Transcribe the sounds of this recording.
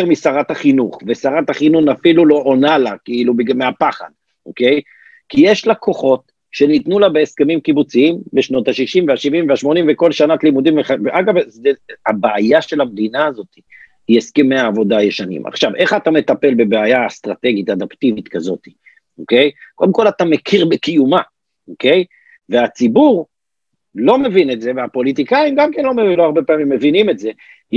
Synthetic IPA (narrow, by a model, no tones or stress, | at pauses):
eʁmisaʁat̪haχinuχvesaʁathaχinunafilulo̞ʔonalakiilubmeapaχa̰d | ʔo̰ke̞j | kijeʃlakʰo̞χo̞t̪ | ʃe̞nit̪nulabeeskemimkibut͡siimbeʃno̞t̪haʃiʃimveaʃivimveaʃmo̞nimveko̞lʃanat̪limud̪imveχavʔaɡavzeabaajaʃe̞lamd̪inaːzo̞t̪i | eskimeaːvo̞dajeʃanḭma̰χʃave̞χat̪ame̞t̪ape̞lbe̞beajast̪ʁat̪e̞ɡit̪ad̪apt̪ivit̪kazo̞t̪i̥ | oke̞jko̞d̪emko̞lat̪amekʰiʁbekijuma | oke̞j | veat͡sibuʁ | lo̞me̞vinetze̞veapo̞lit̪̬ikaimɡamke̞nlo̞meloaʁbepeaːmimːevinimetze̞